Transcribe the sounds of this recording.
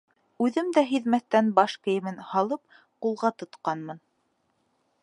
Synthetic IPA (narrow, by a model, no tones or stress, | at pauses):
ʉðɘmd̪æɦiðmæθːænbɑʃkɘ̆jɘ̆mɘnhɑlˠɤp̚ | qulˠʁɑt̪ŏt̪qɑnmɤn